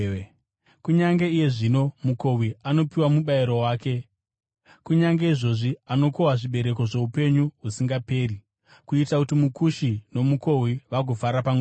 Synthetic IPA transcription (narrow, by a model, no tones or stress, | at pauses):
kuɲaŋɡe̞ije̞ʐino̞mukowiano̞piwamuɓaiɾo̞waːke̞ | kuɲaŋɡe̞iʐo̞ʐiano̞kowaʐiɓe̞ɾe̞k̬o̞ʐe̞upe̞ɲuɦusiŋɡape̞ːri | kuitakutimukuʃino̞muko̞wiʋaɡufaɾapame